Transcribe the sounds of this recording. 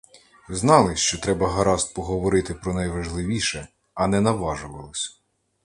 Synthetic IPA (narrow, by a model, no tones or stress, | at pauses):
znɑlˠɪt͡ʃɔt̪ɾɛbɐɦɐɾɑst̪̚pɔɦɔʋɔɾɪt̪ɪpɾɔnɐjʋɐʒlˠɪʋʲiʃɛ | ɐnɛnɐʋɑʒʊʋɐlˠɪsʲɐ̥